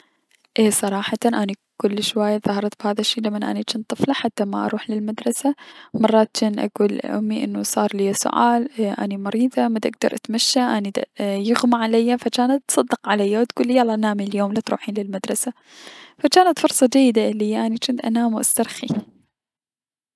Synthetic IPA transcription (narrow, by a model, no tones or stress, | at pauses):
ʔeːsˤɑɾˤɑːħɑt̪ɑnʔanikʊlːʃwaːjːaðɑhɑɾˤɑt̪bhaːðaʃːiːlamːanʔa̰nit͡ʃɪːnt̪ˤɨflɑħat̪ːama̰ʔɑ̰ɾˤuːħlɪlmad̪ɾˤɑsamɑrˤːɑːt̪t͡ʃɪnʔa̰ɡuːlʔʊ̰mːiʔɪ̰nːusˤɑːɾˤlɪjːasʊ̰ʕa̰ːlʔa̰nimɑɾiːðˤamad̪ʔɪɡ̚d̪ɑ̰ɾˤʔat̪maʃːaʔanijɪɣmaʕalajːafat͡ʃaːnat̪sˤɑd̪ːɨqʕalajːawt̪ɡ̥uːlːijalˤːɑʔnaːmiljoːmlat̪ɾṵːħiːnlɪlmad̪ɾˤɑsa | fat͡ʃaːnat̪fʊɾˤsˤɑd͡ʒajːɪd̪alihijːaʔanit͡ʃɪnt̪ʔa̰naːmwʔa̰st̪ɑɾˤxi